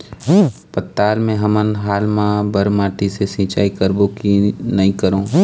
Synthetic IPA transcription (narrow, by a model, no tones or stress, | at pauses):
pɐt̪ːaːlmẽɦɐmənɦaːlmãbɐɾmaːʈisesĩːt͡ʃaːikɐɾbõkinɐĩkɐɾõː